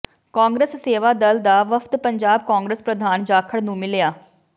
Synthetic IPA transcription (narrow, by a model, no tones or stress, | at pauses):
kãːŋɡɾəsːeːʋaːd̪əld̪aːʋəfʰt̪pəɲd͡ʒaːb̚kaːŋɡɾəspɾəd̪ʱaːnd͡ʒaːkʰəɽnũːmɪlejaː